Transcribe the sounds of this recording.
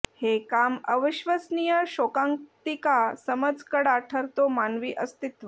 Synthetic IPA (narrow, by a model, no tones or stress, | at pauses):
hekaməʋiɕʋəsnijəɕokãŋt̪ikasəməd͡zkəɽaʈʰəɾt̪omanʋiːʔəst̪it̪ʋə